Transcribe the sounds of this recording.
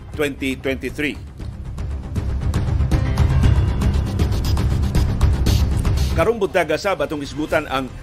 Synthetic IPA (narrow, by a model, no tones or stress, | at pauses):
t̪wɛnt̪it̪wɛnt̪iθɾi | kaɾʊŋbʊt̪̚ːaɡasabat̪uŋkəsəbut̪anʔa̰ŋ